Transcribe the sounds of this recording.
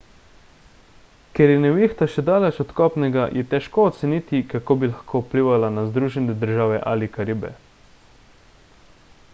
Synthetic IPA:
kɛɾjɛnɛʋixt̪aʃɛd̪aːlɛt͡ʃɔt̪kɔːpnɛɡajʔɛt̪ɛʃkoːt̪sɛniːt̪ikakoːbilaxkʰoːupliːʋalanazd̪ɾuːʒɛnɛd̪əɾʒaːʋɛ̰ʔa̰likaɾibɛ̰

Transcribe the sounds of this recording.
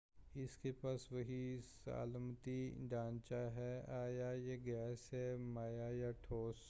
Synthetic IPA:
ɪskepaːsʋɐɦisa̰ːlmt̪iɖãːnt͡ʃaɦɛaːjajeɡɛːsɦɛmaːjajaʈʰoːs

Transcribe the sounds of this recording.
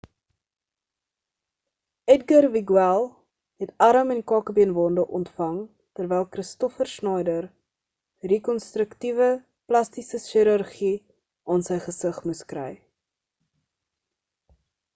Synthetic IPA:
ɛtɡərviɡwɛlˠ | ɦɛtɐɾəmɛnkɑːkəbiənvɑndəʔɔntfɐŋ | tərvɛjlˠkɾəstɔfərsnɐjdər | rekɔnstɾəktivə | plɐstisəʃiɾərχi | ʔɑːnsəjχəsəχmuskrɛ̰j

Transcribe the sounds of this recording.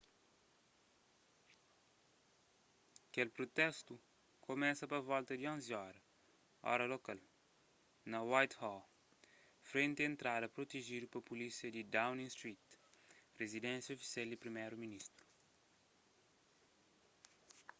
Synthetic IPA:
kelpɾot̪ɛst̪u | komɛsɐpɐvɔlt̪ɐd̪iõnziɔɾɐ | ɔ̰ɾɐlokal | nɐwajt̪hɔ | fɾẽnt̪eẽnt̪ɾad̪ɐpɾot̪eʒiɾupɐpulisjɐd̪id̪awnĩŋst̪ɾit̪rezid̪ɛ̃nsjɐofi̥sjɛld̪ipɾimɛjɾuminist̪ɾu̥

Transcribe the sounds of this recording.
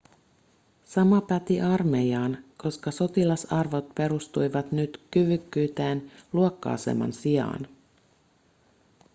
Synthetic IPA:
sɑmɑpæt̪iʔɑrme̞jɑːnko̞skɑso̞t̪ilɑsɑrʋo̞t̪̚pe̞ɾust̪ujʋɑt̪nyt̪kyʋykːyːt̪eːnluokːɑ̰ːsḛmɑ̰nsiɑ̰ːn

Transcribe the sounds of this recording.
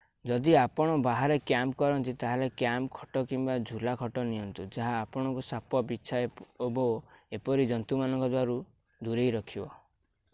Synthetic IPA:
d͡ʒɔd̪iapɔɽ̃ɔbaɦaɾekjampkɔɾɔnt̪it̪aɦelekjampkʰɔ̥ʈɔkimbad͡ʒʱulakʰɔʈɔniɦɔnt̪ud͡ʒaɦaːpɔɽ̃ɔŋkusapɔbit͡ʃʰaebɔepɔɾid͡ʒɔnt̪umanɔŋkɔd̪waɾu | d̪uɾejɾɔkʰibɔ

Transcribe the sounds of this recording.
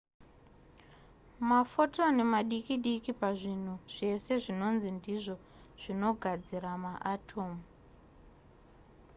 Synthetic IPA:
mafo̞to̞ne̞maɗikiɗikipaʐin̤uʐ̥e̞se̞ʐino̞nzindiʐo̞ | ʐ̥ino̞ɡʱad͡ziɾamaʔatʰo̞ːmu

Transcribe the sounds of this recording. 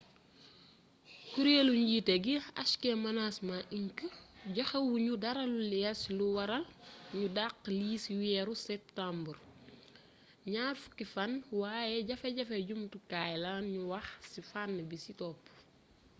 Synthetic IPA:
kuɾjeluɲɟitɛɡiɐʃkɛmɐnasmaʔinkəɟɐxɐwuɲudɐɾɐlulɛjɐsluwɐɾɐlɲudaqːliːswɛːɾusɛp̚tambər | ɲaːlfu̥kːifanwaːjɛɟɐfɐɟɐfɛɟumtukajlanɲuwɐxsifanːbisitɔːpː

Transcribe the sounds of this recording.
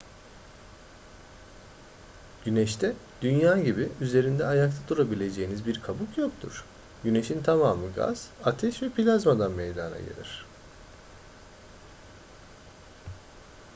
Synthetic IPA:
ɟ̥ynɛʃt̪ʰɛd̪̥ynjaːɟibiyze̞ɾind̪ɛajakt̪ʰad̪uɾabilʲe̞d͡ʒejinizbiɾkʰabukjo̞k̚t̪ʰṵɾ̥ | ɟyne̞ʃint̪ʰamaːmɯɡa̰z̥at̪ʰɛʃvɛpʰilʲazmad̪anmejd̪ana̰ɟḛlʲḭɾ̥

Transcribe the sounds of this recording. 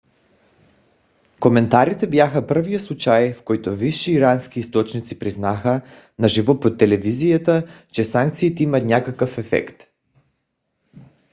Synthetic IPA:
komɛnt̪aɾit̪ɛbjaxəpərvijəslˠut͡ʃajfkɔjt̪oviʃiːɾanskiːst̪ɔt͡ʃnit̪sipɾiznaxə | naʒivopot̪ːɛlɛvizijat̪ət͡ʃɛsaŋkt̪siːt̪ɛimɐt̪nʲakakəfɛfɛ̰kt̪

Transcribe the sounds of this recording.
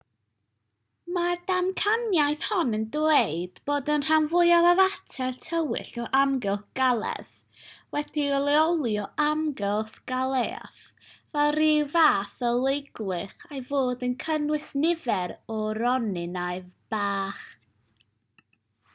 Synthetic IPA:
madamkʰanjajθhɔnəndweɨd̥boːdənr̥amvʊɨaðavatʰɛrtʰəwɪ̰ɬɔʔamɡɛlˠθɡ̥alˠɛ̰ð | wɛd̥iɔlˠiɔlˠiɔʔamɡɛlˠθɡ̥alˠea̰ | vɛlˠrivaːθəlˠejɡlˠɨχajvoːdənkʰənwɪsnɪvɛɾɔɾɔnɪnaɨvb̥aːχ

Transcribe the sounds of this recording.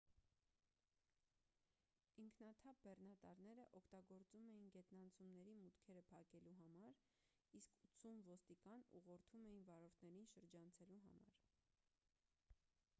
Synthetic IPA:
iŋkʰnɑt̪ʰɑp̚bɛrnɑt̪ɑɾnɛɾəʔɔkʰt̪ɑɡɔɾt͡sumɛjinɡɛt̪nɑnt͡sʰumnɛɾimut̪kʰɛɾəpʰɑkɛluɦɑmɑɾ | iskʰut͡sʰumvɔst̪ikɑnṵʁɔɾt̪ʰumɛjinvɑɾɔɾt̪ʰnɛɾinʃəɾd͡ʒɑnt͡sʰɛluɦɑ̰mɑ̰ɾ

